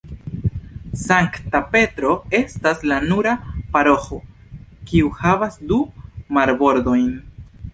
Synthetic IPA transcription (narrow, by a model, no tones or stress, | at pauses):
saŋktape̞tɾo̞e̞staslanuɾapaɾo̞xokiuhavasdumaɾbo̞ɾdo̞jn